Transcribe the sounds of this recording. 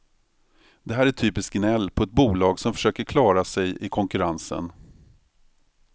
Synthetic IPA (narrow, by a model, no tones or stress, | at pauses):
d̪ɛɦæːɾæʈʰyːpɪsk̚ɡnɛlːpʰɔɛt̪̚buːlɑːɡsɔmfœ̥ʂøːkəɾkʰlɑːɾasɛjɪkʰɔŋkɵɾansə̰n